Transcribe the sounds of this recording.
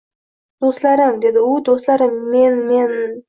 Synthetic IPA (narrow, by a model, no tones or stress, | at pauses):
d̪̥ost̪lˠaɾɪmd̪e̞d̪ɪud̪ost̪lˠaɾɪmːenmen